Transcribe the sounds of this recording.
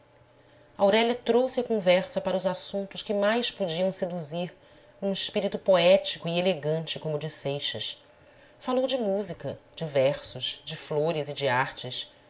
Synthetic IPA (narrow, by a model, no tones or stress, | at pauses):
ɐawɾɛlʲjɐt̪ɾowsɪɐkõvɛɾsɐpaɾɐuzasũnt̪ʊʃkɪmajspod͡ʒiɐ̃w̃sed̪uziɾ | ũiʃpiɾit̪upoɛt͡ʃikʊieleɡɐ̃nt͡ʃɪkõmʊd͡ʒɪsejʃɐs | falowd͡ʒɪmuzikɐd͡ʒɪvɛɾsʊʃd͡ʒɪfloɾɪzɪd͡ʒiaɾt͡ʃɪs